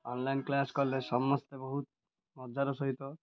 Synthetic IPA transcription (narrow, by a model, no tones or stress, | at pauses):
ɔnlajnklaskɔɾlesɔmːɔst̪ebɔɦut̪ | mɔd͡ʒʱaɾɔsɔɦit̪ɔ